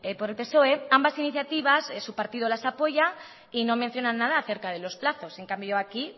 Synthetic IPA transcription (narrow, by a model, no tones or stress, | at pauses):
epo̞ɾe̞lpe̞so̞e̞ambasiniθjat̪iβ̞asesupaɾt̪ið̞o̞lasapo̞ʝa | ino̞mẽn̟θjo̞nanːað̞aːθe̞ɾkað̞e̞lo̞splaθo̞se̞ŋkambjoaki